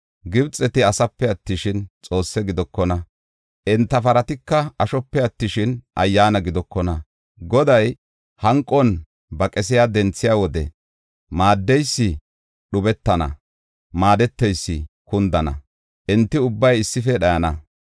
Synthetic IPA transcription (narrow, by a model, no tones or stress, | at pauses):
ɡɪbt͡sʼːɛt̪ɪɐsɐpːɛɐt̪ːɪʃɪnt͡sʼo̞ːsːɛɡɪd̪ɔkːɔnɐ | ʔɛnt̪ːɐfɐɾɐt̪ɪkːɐɐʃɔpːɛɐt̪ːɪʃɪnʔɐ̰jːaːnɐɡɪd̪ɔkːɔnɐ | ɡɔd̪ɐj | hɐŋkʼːɔn | bɐkʼɛs̬ɪjaːd̪ɛnt͡sːɪjaːwɔd̪ɛ̰ | maːd̪ːɛjsːɪ | ɗʊbɛt̪ːɐnɐ̰ | maːd̪ɛt̪ːɛjsːɪ̰ | kʊnd̪ɐnɐ̰ | ʔɪnt̪ːɪʊbːɐjɪsːɪfɛɗɐjɐnɐ